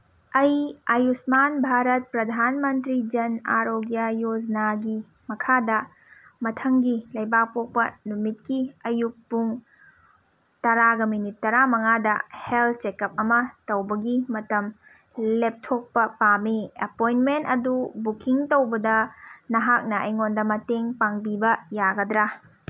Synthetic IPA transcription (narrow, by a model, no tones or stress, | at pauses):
ɐjajusmanbʱaɾɐt̚pɾɐdʱanmɐntɾid͡ʒɐna̰ɾoɡjajod͡ʒnaɡi | mɐkʰadɐ | mɐtʰɐŋɡilɐjbak̚pok̚pɐnumit̚kiɐjuk̚puŋ | tɐɾaɡɐminitːɐɾamɐŋadɐhel̚t͡ʃekɐp̚ɐmɐtɐwbɐɡimɐtɐm | lep̚tʰok̚pɐpamiɐpojnmentɐdubukiŋtowbɐdɐnɐɦak̚nɐʔɐjŋondɐmɐteŋpaŋbibɐjaɡɐdɾa